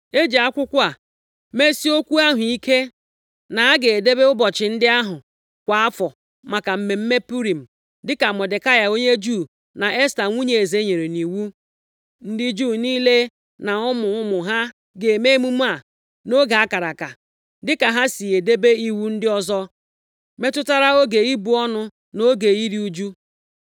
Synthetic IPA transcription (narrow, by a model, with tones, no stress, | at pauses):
e˦d͡ʒe˨a˦kʷʊ˦kʷa˨ | me˦si˦o˦kʷu˦a˦ɦʊ˨i˦ke˦ | na˨a˦ɡe˨e˨de˦be˦ʊ˦bɔ˨t͡ʃɪ˨n̩˦dɪ˦a˦ɦʊ˨ | kʷa˨a˦fɔ˨ | ma˨ka˨m̩˨me˨m̩˦me˦pu˦ɾi˨m̩˨ | dɪ˦ka˨mɔ˨de˨ka˦ja˨o˦ɲe˦d͡ʒuː˦˨ | na˨ʔe˦sta˨ŋʷu˦ɲe˨e˨ze˨˦ɲe˨ɾe˨ni˨wu˦ | n̩˦dɪ˦d͡ʒuː˦˨niː˦le˦ | na˨ʊ˦mʊ˨ʊ˦mʊ˨ɦa˦ | ɡe˨me˦mu˦m̩˦a˨ | no˦ɡa˨a˦ka˨ɾa˨ka˨ | dɪ˦ka˨ɦa˦si˨e˨de˦be˦i˦wu˦n̩˦dɪ˦ɔ˦zɔ˦ | me˦tʊ˦ta˦ɾa˦o˦ɡe˨i˦bu˨ɔ˦nʊ˦ | no˦ɡe˨i˦ɾi˦u˦d͡ʒu˦